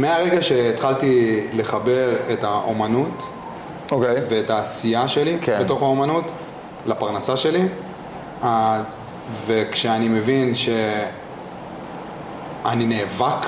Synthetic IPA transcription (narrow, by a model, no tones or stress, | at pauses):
meaʁe̞ɡaʃe̞ːtχaltile̞χabe̞ʁe̞taʔomanut | okejvetaːsijaʃe̞likebet̪o̞χaomanut | lapaʁnasaʃe̞li | az | ve̞kʃeanime̞vinʃe̞ | anineːvak